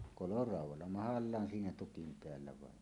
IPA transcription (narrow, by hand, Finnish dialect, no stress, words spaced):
kolorɑˑuwˑɑlːɑ mɑhɑlːɑːn siːnæ tukim peælːæ ʋɑen